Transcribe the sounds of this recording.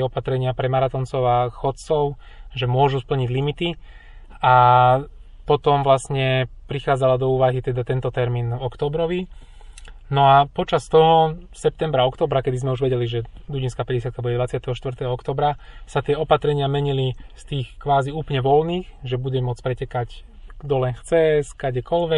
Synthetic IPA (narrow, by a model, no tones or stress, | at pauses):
ɔpat̪ɾɛɲɪapɾɛmaɾat̪ɔnt͡sɔʊaxɔt̪t͡sɔʊ | ʒɛmʊɔʒuspl̩ɲiɟlimit̪i | a | pɔt̪ɔmʋlasɲɛpɾixaːd͡zalad̪ɔuːʋaɦit̪ɛd̪at̪ɛnt̪ɔt̪ɛɾmiːnvɔkt̪ɔːbɾɔʋi | nɔapɔt͡ʃast̪ɔɦɔsɛp̚t̪ɛmbɾaɔkt̪ɔːbɾakɛd̪izmɛuʒʋɛɟɛliʒɛd̪uɟinskapɛɟɛsɪjat̪̚kabuɟɛd̪ʋat͡sɪat̪ɛɦɔʃt̪ʋrt̪ɛɦɔɔkt̪ɔːbɾasat̪ɪɛɔpat̪ɾɛɲɪamɛɲilist̪iːxkʋaːziuːplɲɛʋɔlniːxʒɛbuɟɛmʊɔt͡spɾɛcɛkacd̪ɔlɛnxt͡sɛskaɟɛkɔlʋɛ